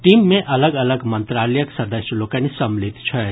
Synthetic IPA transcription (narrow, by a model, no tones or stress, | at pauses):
ʈimːẽʔɐləɡɐləɡmənt̪ɾaləjəksɐɾd̪əʃəlokanisɐmlit̪t͡ʃʰɛ